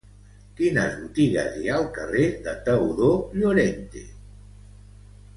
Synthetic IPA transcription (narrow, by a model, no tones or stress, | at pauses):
kina̰zβut̪iɣa̰zialˠkareðat̪awðoʎoɾent̪ḛ